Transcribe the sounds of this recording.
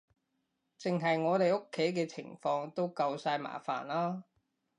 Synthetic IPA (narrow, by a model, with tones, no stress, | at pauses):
t͡sɪ˨˩ŋɦɐ˨jŋɔː˨˧t̪e˨jo˥kʰːe˨˥jk̬ɛː˧t͡sʰɪ̰˨˩ŋfɔː˧ŋt̪o˥wkɐ˧wsaː˧jma̰ː˨˩fa̰ː˨˩nlaː˥